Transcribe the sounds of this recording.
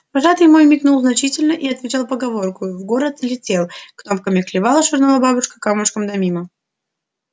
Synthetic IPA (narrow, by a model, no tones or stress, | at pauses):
pɐʐat̪ɨjmo̞jmʲɪknulˠznɐt͡ɕitʲɪlʲnəʔiɐt̪vʲɪt͡ɕalˠpəɡɐvo̞rkʊvɡo̞ɾət̪lʲɪtʲe̞lˠknomkəmʲɪklʲɪvalˠəʂɨrnəvˠəbabʊʂkə̥kamʊʂkəmd̪ɐmʲimə